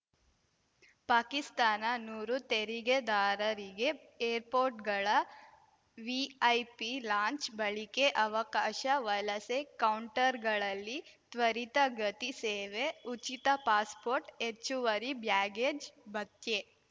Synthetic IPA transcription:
paːkist̪aːnɐnuːɾut̪eɾiɡed̪aːɾɐɾiɡe | eːɾpoːɾʈɡɐɭɐ | ʋiɐjpilaːɲt͡ʃbɐɭikeʔɐʋɐkaːʃɐʋɐlɐsekɐwɳʈɐɾɡɐɭɐlːit̪ʋɐɾit̪ɐɡɐt̪iseːʋeut͡ʃit̪ɐpaːspoːɾʈet͡ʃːuʋɐɾibjaːɡeːd͡ʒbɐt̪je

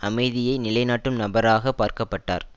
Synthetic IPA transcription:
ɐmɐɪðɪjɐɪnɪlɐɪnaːʈːɯmnɐbɐɾaːɣɐpːaːɾkɐpːɐʈːa̰ːɾ

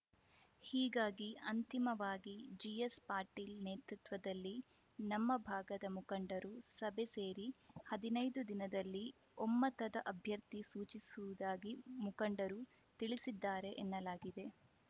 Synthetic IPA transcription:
hiːɡaːɡiɐnt̪imɐʋaːɡid͡ʒijespaːɾʈiːlneːt̪ɾut̪ʋɐd̪ɐlːi | nɐmːɐbʱaːɡɐd̪ɐmukɐɳɖɐɾusɐbʱe̞seːɾihɐd̪inɐjd̪ud̪inɐd̪ɐlːi | ɔmːɐt̪ɐd̪ɐʔɐbʱjɐɾt̪isuːt͡ʃisuʋud̪aːɡimukɐɳɖɐɾu | t̪iɭisid̪ːaːɾe̞ʔenːɐlaːɡid̪e̞

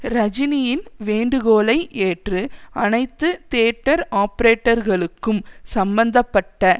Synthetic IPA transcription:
ɾɐd͡ʒɪnɪjɪnʋeːɳɖɯɣoːlɐɪʔeːʈrɯɐnɐɪt̪ːɯt̪eːʈːɐɾaːpɐɾeːʈːɐɾɣɐɭɯkːɯmsɐmbɐnd̪ɐpːɐʈːɐ

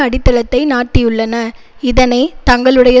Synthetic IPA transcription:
ɐɽɪt̪ːɐɭɐt̪ːɐɪnaːʈːɪjɯɭːɐnɐ | ɪðɐnɐɪt̪ɐŋɡɐɭɯɽɐjɐ

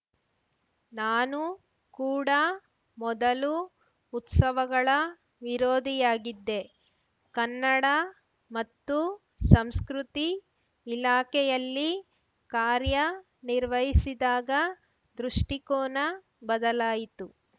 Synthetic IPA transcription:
naːnu | kuːɽɐ | mɔd̪ɐluː | t̪sɐʋɐɡɐɭɐ | ʋiɾoːd̪ʱijaːɡid̪ːe̞ | kɐnːɐɽɐ | mɐt̪ːu | sɐmskɾut̪iː | laːkɛjɐlːi | kaːɾjɐ | niɾʋɐɦisid̪aːɡɐ | d̪ɾuʂʈikoːnɐ | bɐd̪ɐlaːjit̪u

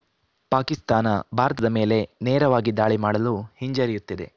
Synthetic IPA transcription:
paːkist̪aːnɐbʱaːɾɐt̪ɐd̪ɐme̞ːle̞neːɾɐʋaːɡid̪aːɭimaːɽɐluhiɲd͡ʒɐɾijut̪ːid̪e̞̰

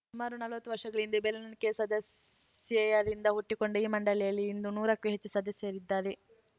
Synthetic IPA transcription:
sumaːɾunɐlʋɐt̪ːuʋɐɾʂɐɡɐɭind̪ubelɐnɐnkesɐd̪ɐsjɐjɐɾind̪ɐɦuʈːikoɳɖeiːmɐɳɖɐlɛjɐlːiːnd̪unuːɾɐkːuɦet͡ʃːusɐd̪ɐsjɐɾid̪ːaːɾe

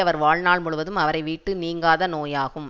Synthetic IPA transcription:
ɐʋɐɾʋaːɭnaːɭmʊɭɯʋɐðɯmɐʋɐɾɐɪʋiːʈːɯniːŋɡaːðɐnoːjaːɣɯm

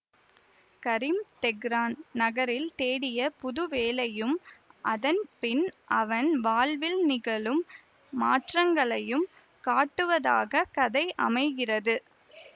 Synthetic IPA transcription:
kɐɾɪmt̪ɛɡɾaːnnɐɣɐɾɪlt̪eːɽɪjɐpʊðʊʋeːlɐjɯmʔɐðɐnpɪnʔɐʋɐnʋaːɭʋɪlnɪɣɐɭɯmː | aːʈrɐŋɡɐɭɐjɯm | kaːʈːɯʋɐða̰ːɣɐkɐðɐɪʔɐ̰mɐɪɣɪrɐðɯ

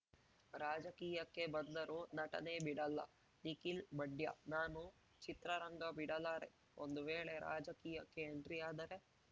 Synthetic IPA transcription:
ɾaːd͡ʒɐkiːjɐkːe̞bɐnd̪ɐɾunɐʈɐ̰ne̞ːbiɽɐlːɐ̰ | nikilbɐɖjɐ̰naːnu | t͡ʃit̪ɾɐɾɐŋɡɐbiɽɐlaːɾe̞ | ond̪uʋeːɭe̞ɾʔa̰ːd͡ʒɐkiːjɐkːe̞ːɳʈɾijaːd̪ɐɾe̞

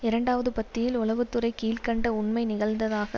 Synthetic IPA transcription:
ɪɾɐɳɖaːʋɐðɯpɐt̪ːɪjɪlʊlɐʋɯt̪ːɯɾɐɪkiːlkɐɳɖɐʊɳmɐɪnɪɣɐɭnd̪ɐðaːɣɐ̰

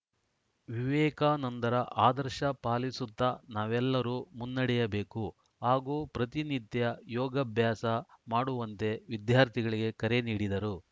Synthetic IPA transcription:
ʋiʋɛːkaːnɐnt̪ɐɾɐʔaːd̪ɐɾʃɐpaːlisut̪ːɐnaːʋɛlːɐɾuːmunːɐɽɛjɐbe̞ːku | ɦaːɡuːpɾɐt̪init̪jɐjɔːɡɐbʱjaːsɐmaːɽuʋɐnt̪e̞ʋid̪jaːɾt̪iɡɐɭiɡe̞kɐɾe̞niːɽid̪ɐɾu

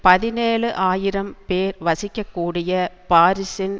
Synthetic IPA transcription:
pɐðɪneːɭɯʔaːjɪɾɐmpeːɾʋɐsɪkːɐkːuːɽɪjɐpaːɾɪsɪn

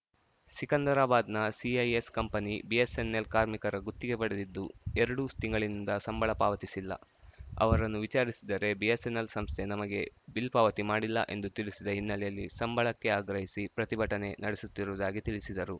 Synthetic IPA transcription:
sikɐnd̪ɐɾaːbaːd̪nɐsiɐjeskɐmpɐnibije̞se̞nːe̞lkaːɾmikɐɾɐɡut̪ːiɡe̞pɐɽed̪id̪ːṵeɾɐɽut̪iŋɡɐɭinind̪ɐsɐmbɐɭɐpaːʋɐt̪isilːɐ̰ | ɐ̰ʋɐɾɐnːuʋit͡ʃaːɾisid̪ɐɾe̞biesenelsɐmst̪ʰe̞nɐmɐɡe̞bilpaːʋɐt̪imaːɽilːɐ̰ʔe̞nd̪ut̪iɭisid̪ɐɦinːɐlɛjɐlːisɐmbɐɭɐkːe̞aːɡɾɐɦisipɾɐt̪ibʱɐʈɐne̞nɐɽesut̪ːiɾuʋud̪aːɡit̪iɭisid̪ɐɾu

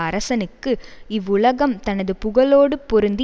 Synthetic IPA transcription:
ɐɾɐsɐnɯkːɯɪʋːʊɭɐɣɐmt̪ɐnɐðɯpʊɣɐɭoːɽɯpɔɾɯnd̪ɪ

